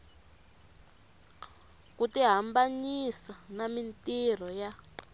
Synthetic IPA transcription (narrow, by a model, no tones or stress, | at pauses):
kutiɦambaɲisanamintir̤ɔja